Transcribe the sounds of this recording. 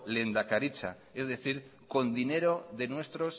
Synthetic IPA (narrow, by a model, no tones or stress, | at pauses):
le̞nd̪akaɾit͡ʃa̰ | ezðe̞θiɾko̞nd̪ine̞ɾo̞ðe̞nwe̞st̪ɾo̞s